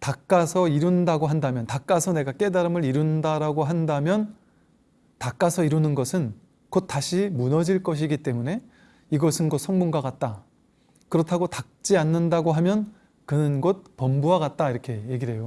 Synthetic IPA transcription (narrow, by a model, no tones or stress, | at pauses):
tak͈̚asʰʌiɾundaɡoɦandamjʌntak͈asʰʌne̞ɡak͈e̞daɾɯmɯɾiɾundaɾaɡoɦandamjʌn | tak͈asʰʌiɾunɯnɡʌsʰɯn | kot̚t͈aɕʰimunʌd͡ʑiɭk͈ʌɕ̬ʰiɡit͈e̞mune̞ | iɡʌsʰɯnɡʌsʰʌŋmuŋɡwakat̚t͈a | kɯɾʌtʰaɡotak̚t͡ɕ͈ianːɯndaɡoɦamjʌn | kɯnɯnɡot̚pʌmbuɦaɡat̚t͈aiɾʌkʰe̞je̞ɡiɦe̞jo